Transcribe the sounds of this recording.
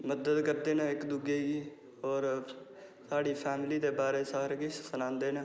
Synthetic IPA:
məd̪əd̪kəɾd̪eːnaɪkd̪uɡeːɡiː | ɔːɾ | saːɽiːpʰɛːmliːd̪eːbaːɾeːsəɦɾɡiːssənãːnd̪eːnãː

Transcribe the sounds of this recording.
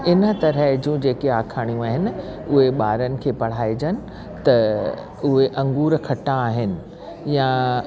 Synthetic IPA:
ɪnə̆t̪ɐɾəɦd͡ʑũːd͡ʑeːkeaːkʰaːɽ̃ijũaːɦɪnɪ̆ʊɦeɓaːɾənɪ̆kʰeːpɐɽ̤aːed͡ʑənɪ̆ | t̪ɐ | ʊɦeʔɐ̃ŋɡuːɾkʰɐʈãːɦɪnɪ̆ | jã

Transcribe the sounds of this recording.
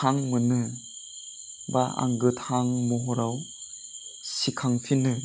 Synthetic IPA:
aŋmɯnɯ | baa̰ŋɡɯthaŋmɔɦɔɾaw | sikʰaŋpʰinɯ

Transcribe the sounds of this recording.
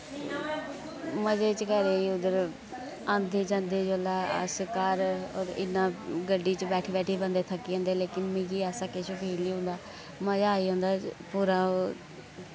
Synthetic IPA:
məd͡ʒeːt͡ʃkəɾeːiːʊd̪əɾ | ãːnd̪eːt͡ʃãːnd̪eːd͡ʒoːlːa̰ːsɪkaːɾoːɾɪ̰nːãːɡəɖiːt͡ʃbɛːʈʰiːbɛːʈʰiːbənd̪eːt̪ʰəkːiːɦə̃ːnd̪eːleːkɪnmĩːɡiːɛːsaːkeːt͡ʃʊpeːliːɦʊ̃nd̪aː | məd͡ʒaːiːɦõːnd̪aːpuːɾaː

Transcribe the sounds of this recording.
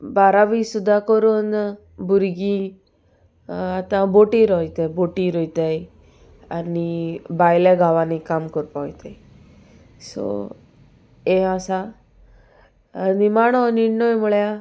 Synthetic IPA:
baɾaʋisud̪ʱakɔɾun | buɾɡĩ | at̪ãboʈĩɾɔjt̪eboʈĩɾɔjt̪aj | anibajleɡʱaʋanikamkɔɾpait̪aj | so̰ | easa | nimaɽ̃ɔniɽnɔjmɔɭja

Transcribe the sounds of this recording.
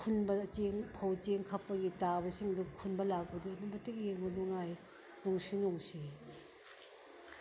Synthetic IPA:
kʰunbɐt͡ʃeŋpʰɐwt͡ʃeŋkʰɐpːɐɡitabɐsiŋdukʰunbɐlak̚bɐduɐnubɐtik̚jeɾmuduŋaj | nuŋsinuŋsi

